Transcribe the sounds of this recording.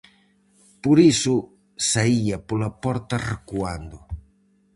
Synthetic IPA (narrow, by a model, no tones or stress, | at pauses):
poɾisʊ | saiɐpolɐpɔɾt̪ɐrekuand̪ʊ